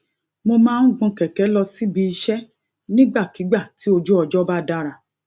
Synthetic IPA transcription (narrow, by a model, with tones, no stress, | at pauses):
mo˧mãː˦n̩˦ɡ͡bũ˧kɛ˨kɛ˨˦lɔ˧si˦bi˧i˧ʃɛ˦ | nĩ˦ɡ͡ba˦˨ki˨˦ɡ͡ba˦˨ti˨˦o˧d͡ʒu˦ɔ˧d͡ʒɔ˦ba˦da˦ɾa˨